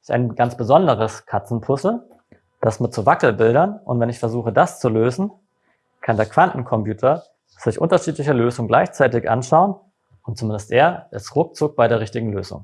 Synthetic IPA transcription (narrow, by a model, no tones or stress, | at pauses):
ɪsta̰ɪnɡant͡sb̥əzɔndəʁəskʰat͡sn̩pʰʊsl̩ | d̥asmɪtt͡suvakl̩bɪldɐnʔʊntv̥ɛnɪçfɛɐzuːχədast͡suløːzn̩ | kʰandeːɐkv̥anʔn̩kʰɔmpjuːtʰɐ | z̥ɪçʔʊ̰ntɐʃiːtlɪçəløːzʊŋɡla̰ɪçt͡saɪtɪçʔa̰nʃaʊən | ʊnt̚t͡sumɪndəstʔeːɐʔɪstʁʊk̚t͡sʊk̚b̥aɪdeːʁ̞ɪçtɪɡŋ̩løːzʊ̰ŋ